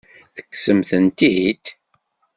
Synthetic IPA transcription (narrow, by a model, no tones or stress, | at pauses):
θə̥kːsəmθənt̪iit̪